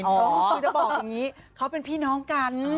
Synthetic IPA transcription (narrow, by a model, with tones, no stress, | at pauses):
ɔo˧˦˥ɯː˧t͡ɕa˨˩bɔː˨˩k̚ja˨˩ŋiː˦˥ | kʰa˦˥wpe˧npʰiː˥˩nɔː˦˥ŋka˧n